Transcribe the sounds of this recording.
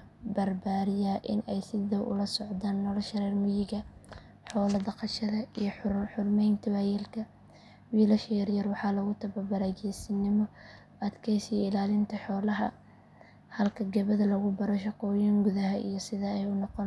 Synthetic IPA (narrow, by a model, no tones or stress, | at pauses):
bɐrbaːɾɪjaːʔɪnɛjsɪðɐwʔʊ̰lɐsɔʕd̪aːnːɔlɔʃɐɾɛːrmʊjɪɣɐ | ħɔːlɐd̪ɐqɑʃɐðɐijħħʊrmɛjnt̪ʰɐβajɛlkʰɐ | wiːlɐʃɛjɐɾjɐrwɑħɑːlɐɣʊt̪ʰɐβɐbɐɾaːɡɛjsɪnːɪmɔ | ɐd̪kʰɛjsiɪlaːlɪnt̪ʰɐħɔːlɐɦɐ̰ | hɐlkʰɐɡɐβɐðɐlɐɣʊbɐɾɔʃɐqɔːjɪŋɡʊðɐɦɐʔḭjɞsɪðɐɛjʊnɔqɔn